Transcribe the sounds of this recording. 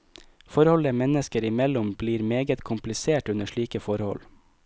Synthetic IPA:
fɔɾhɔləmɛnəskəɾɪmɛlʊmbliːɾmeːɡət̪kʰʊmplɪseːʈʉnəʃɭiːkəfɔɾhɔ̰l

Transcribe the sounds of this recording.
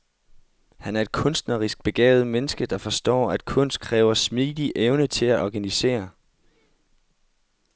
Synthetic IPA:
hænæɐe̝d̥̚kʰɔ̽nsd̥nɐʁisɡ̥̚b̥e̝ɡ̥ɛ̰ːʊð̩ˠmenəsɡ̥əd̥ɑ̈fɒ̽sd̥ɒ̰ːæd̥̚kʰɔ̽n̰sd̥̚kʰʁɛːʊɐsmid̥iʔeʊnət͡sʰe̝læʔɒɡ̥ænise̝̰ːɐ

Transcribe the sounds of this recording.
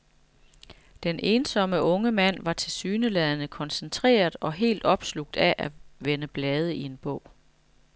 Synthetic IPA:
d̥enʔe̝ːnsɒ̽məʔɔ̽ŋəmæn̰ʋɑ̈t͡sʰe̝lsyːnəlɛðˠənəkʰɒ̽nsent͡sʰʁḛːɐðˠɒ̽ɦe̝̰ːld̥ɒ̽b̥sluɡ̥̚d̥æʔæʋenəb̥lɛːð̞ˠəie̝nb̥ɔ̽ʊ̰

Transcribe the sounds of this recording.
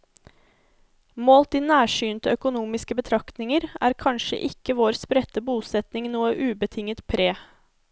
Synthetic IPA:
moːlt̪iːnæːʃyːnt̪əœkʊnuːmɪskəbət̪ʰɾɑkt̪nɪŋəɾæ̰ːɾkʰɑnʃə̰ʔɪkəʋoːɾspɾɛt̪əbuːsɛt̪nɪŋnuːəʔʉːbət̪ʰɪŋət̪pʰɾeː

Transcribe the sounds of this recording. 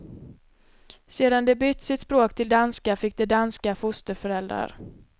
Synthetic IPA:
seːd̪and̪ɛbʏt̪ːsɪt̪spɾoːkt̪ʰɪld̪anskafɪk̚d̪ɛd̪anskafʊst̪əɾfœɾɛld̪ɾa̰ɾ

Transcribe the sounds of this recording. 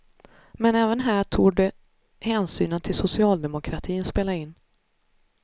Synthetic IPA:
mɛnɛːvənɦæːʈʰuːɖɛ | hɛːnsyːnənt̪ʰɪlsʊsɪɑːld̪ɛmʊkʰɾat̪ʰiːənspeːlaɪnː

